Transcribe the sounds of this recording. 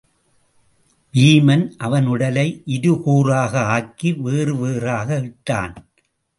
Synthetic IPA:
ʋiːmɐnʔɐʋɐnɯɽɐlɐɪʔɪðɯkuːraːɣɐaːkːiʋeːrɯʋeːraːɣɐɪʈːa̰ːn

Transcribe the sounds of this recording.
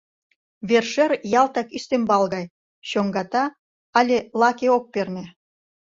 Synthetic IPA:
βerʃerjɑlt̪ɑkyst̪embɑlɣɑj | ɕoŋɡɑt̪ɑ | ɑlʲelɑkeok̚permʲĕ

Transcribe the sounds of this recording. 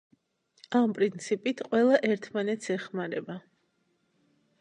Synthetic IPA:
ampʼɾint̪sʰipʼit̪ʰqʼwɛlˠaʔɛɾt̪ʰmanɛt̪sʰɛχmaɾɛba

